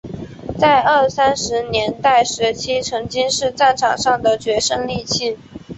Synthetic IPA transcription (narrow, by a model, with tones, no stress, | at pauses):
t͡sa˥˧ɪə˥˩sa˥nʂɻ̩˧˥njɛ˧˥nt̪a˥˩ɪʂɻ̩˧˥t͡ɕʰi˥ʈ͡ʂʰɤ˧˥ŋt͡ɕi˥ŋʂɻ̩˥˧ʈ͡ʂa˥˩nʈ͡ʂʰɑ˨˩ŋʂɑ˥˩ŋd̪ə˩t͡ɕɥɛ˧˥ʂɤ˥ŋli˥˧t͡ɕʰi˥˩